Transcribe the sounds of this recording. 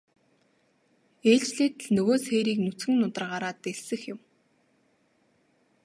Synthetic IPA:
eːɮt͡ɕɮiːt̪ɘ̆ɮnɵɣoːsxeːɾiːknut͡sɡɘ̆ŋnʊt̪ə̆rɢaːɾaːt̪eɮsɘ̆xjɪ̆m

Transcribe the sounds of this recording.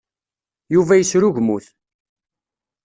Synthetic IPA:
juvæjəsɾʊʝmuθ

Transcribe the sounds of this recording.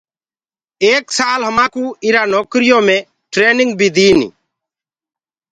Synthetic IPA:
eːksaːlɦəmaːkuːɪɾaːnoːkɾɪjoːmẽː | ʈɾeːnɪ̃ŋɡbʱiːd̪iːnḭː

